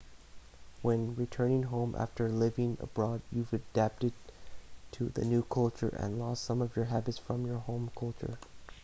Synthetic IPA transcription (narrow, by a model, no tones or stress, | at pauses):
wɛ̃nɹitʰɜ̃˞nɪ̃ŋɦõʊ̃mʔæ̰ftə˞lɪvɪ̃ŋə̰bɹɔdjuvɨdæp̚tɨd̚tʰɨðɨ̰nʉkʰʌlˠt͡ʃə̰˞ʔɨ̰̃nlɔsʌ̃mʌvjə˞ɦæbɨtsfɹʌ̃mjə˞hõʊ̃mkʰʌlˠt͡ʃə̰˞